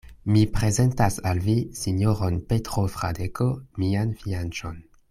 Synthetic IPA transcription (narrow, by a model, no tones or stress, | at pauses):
mipʁe̞zentasalvisiɲoʁonpetʁofʁa̰dekʰomianfiant͡ʃo̰n